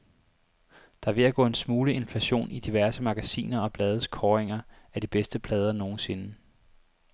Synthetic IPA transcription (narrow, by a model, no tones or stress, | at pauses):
d̥ɑ̈ʋe̝æɡ̥ɔ̰ːe̝nsmuːləe̝nflæɕo̝̰ːnid̥iʋæɐsəmɑ̈ɡ̥æsḭːnɐɒ̽b̥lɛːð̞ˠəskʰɒːʁeŋɐ | æɐd̥ib̥esd̥əbʰlɛːð̞ˠɐno̝ːn̩se̝nə